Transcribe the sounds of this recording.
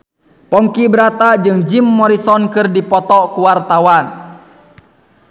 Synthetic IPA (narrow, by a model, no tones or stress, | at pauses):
pɔŋkibəɾat̪ad͡ʒɨŋd͡ʒimːɔɾisɔnkɨrdipɔt̪ɔkuwart̪awan